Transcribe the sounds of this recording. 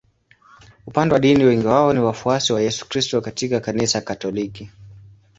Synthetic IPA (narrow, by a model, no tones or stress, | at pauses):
upandɛwaɗiniwɛŋɡiwaɔniwafuasiwajɛsu̥kɾistɔkatikakanisakatɔliki